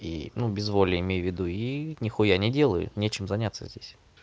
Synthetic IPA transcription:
ḭnubʲɪzvolʲəɪmʲejʊvʲɪd̪uinʲɪxujanʲɪdʲe̞lˠəjʊ̰nʲet͡ɕɪmzɐnʲat̪sə̰zʲdʲesʲ

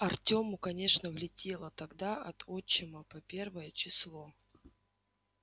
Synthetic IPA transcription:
ɐrtʲo̞mʊkɐnʲe̞ʂnəvlʲɪtʲe̞lˠət̪ɐɡd̪aʔɐt̪ʰot͡ɕːɪməpɐpʲe̞rvəjət͡ɕɪslˠo̞

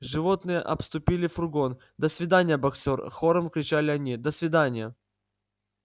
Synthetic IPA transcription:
ʐɨvo̞t̪nɨjə̰ʔɐpst̪ʊpʲilʲɪfʊrɡo̞n | d̪əsvʲɪd̪anʲɪjəbɐksʲorxo̞ɾəmkɾʲɪt͡ɕalʲɪɐnʲid̪əsvʲɪd̪anʲɪjə

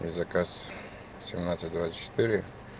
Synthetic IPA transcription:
ḭzɐkas | sʲɪmnat̪sɨt̚ʲd̪vat̪sə̥t͡ʃːɪ̥t̪ɨɾʲɪ

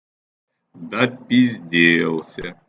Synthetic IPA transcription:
d̪apʲizʲd̪ʲelˠsʲə

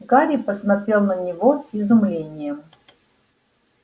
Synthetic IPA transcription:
ɡaɾʲipəsmɐt̪ɾʲelˠnənʲɪvosʲɪzʊmlʲenʲɪjəm

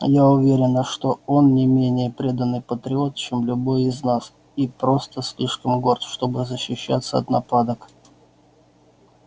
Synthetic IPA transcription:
jaʊvʲeɾʲɪnəʂt̪o̞o̞nnʲɪmʲenʲɪjəpɾʲe̞d̪ənːɨjpət̪ɾʲɪo̞t̪̚t͡ɕemlʲʊbo̞jɪznas | ipɾo̞st̪əsʲlʲiʂkəmɡo̞rt̪ʂt̪o̞bɨzəɕːɪɕːa̰t̪səɐ̰t̪nɐpad̪ək

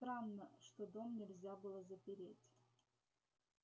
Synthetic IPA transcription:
st̪ɾanːəʂt̪od̪omnʲɪlʲzʲabɨlˠəzəpʲɪɾʲetʲ

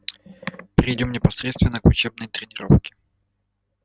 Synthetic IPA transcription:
pɾʲɪjdʲomnʲɪpɐsɾʲet̪st̪vʲɪnːəkʊt͡ɕeb̚nəjt̪ɾʲɪnʲɪɾofkʲɪ̥

